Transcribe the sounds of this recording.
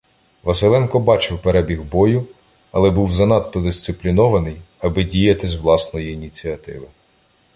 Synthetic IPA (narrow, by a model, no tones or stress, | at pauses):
ʋɐsɪlˠɛnkɔbɑt͡ʃɪwpeɾɛbʲiɣbɔjʊ | ɐ̰lˠɛbuwzɐnɑt̪ːɔd̪ɪst̪sɪplʲinɔʋɐnɪj | ɐbɪdʲijɐt̪ɪzwlˠɑsnɔjiːnʲit͡sʲiɐt̪ɪ̰ʋɪ